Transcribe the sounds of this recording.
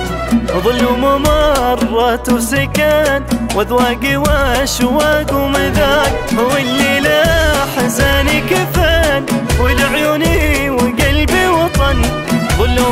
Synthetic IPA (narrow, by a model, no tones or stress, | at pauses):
wðˤɨlːumamɑrˤːɑt̪sakanwaðwaːɡɪwaʃwaːɡumɪðaːk̚ | hawɪlːilaħzaːnikɪfaːnwɪlaʕjuniwɪɡalbiwɑt̪ˤɑn | ðˤɨlː